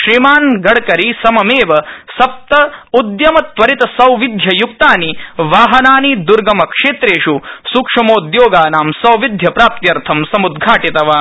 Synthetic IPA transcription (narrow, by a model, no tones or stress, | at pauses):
ʃɾimaːnɡɐɽkɐɾisɐmɐmeːʋɐsɐp̚t̪ɐud̪jɐmɐt̪ʋɐɾit̪ɐsɐwʋid̪ʱjɐjukt̪aːniʋaːɦɐnaːnid̪uɾɡɐmɐkʂeːt̪ɾeːʂusukʂɐmoːd̪joːɡaːnaːmsɐwʋid̪ʱjɐpɾaːp̚t̪jɐɾt̪ʰɐmsɐmud̪ɡʱaːʈit̪ɐʋaː